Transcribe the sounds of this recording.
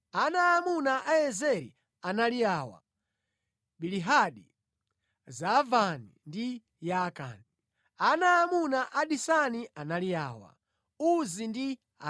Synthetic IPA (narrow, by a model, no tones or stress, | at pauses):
anaːmunaʔajɛzɛɾḭ | analiaːwa̰ | ɓiliɦaɗi | zavanḭndi | jaka̰ni | anaːmunaʔaɗisaniʔanaliaːwa̰ | uzindi | a